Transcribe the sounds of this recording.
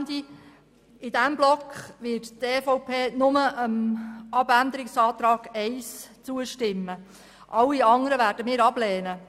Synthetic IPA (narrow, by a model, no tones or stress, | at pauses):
ndi | ɪdæmblɔkχʋɪtteːfɔʊpʰeːnʊməʔəmɑbænd̪əɾɪksɑːt̪ɾɑːɡ̥ɛɪst͡suəʃtɪmːə | ʔɑlːiɑŋəɾəvæːɾdəmɪːɾɑb̥lɛːnə